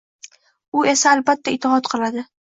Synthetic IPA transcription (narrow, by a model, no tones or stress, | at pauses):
ʊe̞saːlbat̪ʰːaɪt̪ʰːɪɦɒt̪qʰɨlˠad̪ɪ